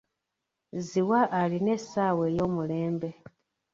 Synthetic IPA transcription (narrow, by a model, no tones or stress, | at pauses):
ziwaʔaline̞saːwe̞ːjo̞ːmuleːmbe̞